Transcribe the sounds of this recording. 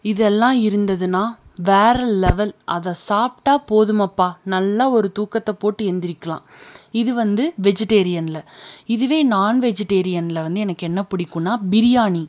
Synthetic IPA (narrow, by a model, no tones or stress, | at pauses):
ɪðɛlːãːɪɾɯnd̪ɐðɯnaːʋeːɾɐːɛʋɐlʔɐðɐsaːp̚ʈaːpoːðɯmɐpːaːnɐlːaɔɾɯt̪uːkɐt̪ːɐpoːʈːɯɛnd̪ɪɾɪkːɐlã̰ːɪðɯʋɐnd̪ɯʋɛd͡ʒɛʈːeːɾɪjɐnlɐɪðɯʋeːnaːnʋɛd͡ʒɛʈːeːɾɪjɐnlɐʋɐnd̪ɯɛnɐkːɛnːɐpʊɽɪkːʊ̃nːaːbɪɾɪjaːni